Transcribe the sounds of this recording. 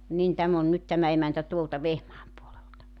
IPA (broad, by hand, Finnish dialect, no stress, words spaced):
nin tæm on nyt tæmæ emæntæ tuoltɑ ʋehmɑːm puoleltɑ